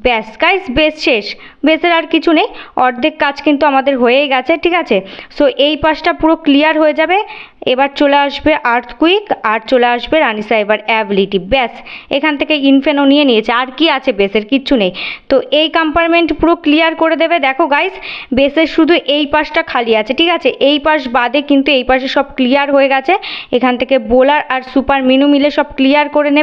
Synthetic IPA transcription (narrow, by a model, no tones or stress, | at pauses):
bɛsɡajsbesʃeʃ | beseɾaɾkit͡ɕʰunejɔɾd̪ʱekkːat͡ɕʰkint̪uamad̪eɾɦoeeɡɛt͡ɕʰeʈʰikat͡ɕʰesoʔejpaʃʈapuɾoklijaɾɦoed͡ʑabe | ebaɾt͡ɕoleaʃbeʔaɾt̪ʰkuikaɾt͡ɕoleaʃbeɾanisaebaɾɛbiliʈibɛsekʰanet̪ʰekeinfenonijenijet͡ɕʰeaɾkiat͡ɕʰebeseɾkiɕʰunejt̪oʔejkampanmeɳʈpuɾoklijaɾkoɾed̪ebed̪ɛkʰoɡajsbeseɾʃud̪ʱuʔejpaʃʈakʰaliat͡ɕʰeʈʰikat͡ɕʰeʔejpaʃbad̪ekint̪uejpaʃeʃɔb̚klijaɾɦoeɡɛt͡ɕʰeekʰanet̪ʰekebolaɾaɾsupaɾminumileʃɔb̚klijaɾkoɾene